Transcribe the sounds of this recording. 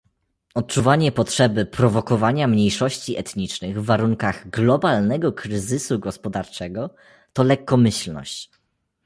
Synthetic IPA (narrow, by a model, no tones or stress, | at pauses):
ɔt̪̚t͡ʂuvaɲɛpɔtʂɛbɘpɾɔvɔkɔvaɲamɲejʂɔɕt͡ɕiʔɛt̪ɲit͡ʂnɘɣvːaɾuŋkaɣɡlɔbalnɛɡɔkɾɘzɘsuɡɔspɔd̪aɾt͡ʂɛɡɔ | t̪ɔlɛkːɔmɘɕlnɔ̰ɕt͡ɕ